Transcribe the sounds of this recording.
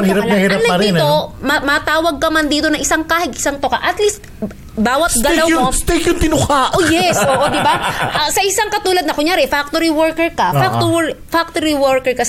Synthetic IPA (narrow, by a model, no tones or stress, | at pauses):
hɾɐp̪ɐhiɾɐnɐɐɾiːnt̪omɐmɐt̪aːwɐɡ̚kɐmɐnd̪iːt̪onɐŋʔɪsaŋkaːhɪɡɪ̥saŋt̪okaʔɐt̪list̪̚ | baːwɐt̪̚ɡɐlawmost̪ejkjʊnt̪ɪnʊhaʔojɛsʔoːʔod̪ɪbaʔɐsɐʔɪsaŋkɐt̪uːlɐd̪nɐkʊŋjaːɾɛfak̚t̪oɾiwɔɹkɛɹkɐfaktt̪oɛfak̚t̪oɾiwɔɹkɛɹkɐ